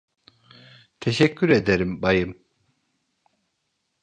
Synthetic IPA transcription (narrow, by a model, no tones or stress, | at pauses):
t̪ʰeʃɛkcːyɾed̪eɾimbajɯm